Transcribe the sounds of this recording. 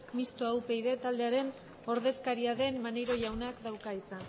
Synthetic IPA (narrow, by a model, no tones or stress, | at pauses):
mist̪oawpe̞jðe̞t̪ald̪e̞aɾe̞n | o̞ɾð̞e̞skaɾiaðe̞mmanejɾo̞ʝawnakd̪awkait͡san